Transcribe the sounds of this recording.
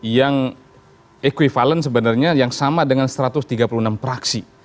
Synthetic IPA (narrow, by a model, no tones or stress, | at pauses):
jaŋ | ekwifalənsəbənarɲajaŋsamadəŋansɾat̪ʊst̪iɡapulunampɾaksi